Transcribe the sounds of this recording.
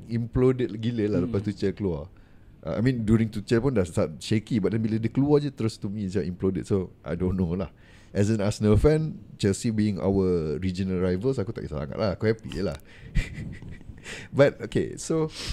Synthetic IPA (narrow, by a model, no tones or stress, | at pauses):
ĩmplodət̚ɡiləlaləpast̪ut͡ʃəkəlua | ʔaa̰jmĩndjuɾĩŋt̪ut͡ʃəpundastat̚ʃekibaʔ̚dɛ̃nbilədəkəluad͡ʒət̪əɾʊst̪umĩsd͡ʒaʔimplodət̚soʔa̰jdõnːolah | ʔɛs̬ə̃nasənəlfɛ̃nt͡ʃɛlsibiɪ̃ŋa̰wəɹid͡ʒənəlɹajvəlsakut̪a̰ʔɡitasa̰ŋa̰t̪̚laakuhɛpḭjə̰la̰h | bat̚okḛso